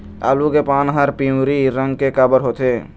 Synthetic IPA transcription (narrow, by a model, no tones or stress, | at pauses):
a̰ːlukepanɦaɾpiũɾiɾəŋɡkekabəɾɦot̪ʰe